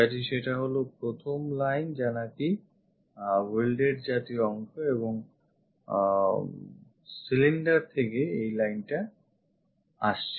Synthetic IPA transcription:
at̪iʃeʈaɦolopɾot̪ʰomlajnd͡ʑanaki | welɖeɾd͡ʑat̪iɔŋʃoeboŋ | siliɳɖaɾt̪ʰekeejlajnʈa | a̰ʃt͡ɕʰ

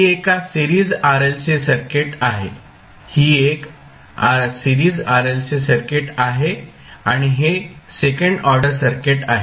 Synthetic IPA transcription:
iekasiɾiːd͡zaɾelsesəɾkeʈaɦḛ | hiːek | asiɾiːd͡zaɾelsesəɾkeʈaɦe | aɽ̃iɦesekəɳɖɔɾɖəɾsəɾkeʈa̰ɦe

